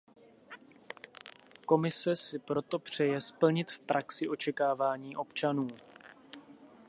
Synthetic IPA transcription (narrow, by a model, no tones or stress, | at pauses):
ko̞mɪsɛsɪpɾo̞t̪o̞pr̝̥ɛjɛspl̩ɲɪt̪fpɾʔaksɪʔo̞t͡ʃɛkaːvaːɲiːʔo̞pt͡ʃanuː